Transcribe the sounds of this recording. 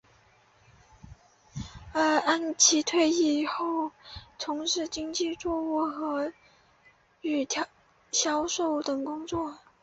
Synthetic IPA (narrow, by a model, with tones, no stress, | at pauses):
ə˞˧˥a˥˩nt͡ɕʰi˧˥t̪ʰwe˥˧ɪi˥˩xo˥˩ʊt̪ʰʊ˧˥ŋʂɻ̩˥˧t͡ɕi˥ŋt͡ɕi˥˧t͡swɔ˥˧ɔ˥˩xɤ˧˥ | y˨˩t̪ʰ | ɕjɑ˥ʊʂo˥˩ʊt̪ɤ˨˩ŋkʊ˥ŋt͡swɔ˥˩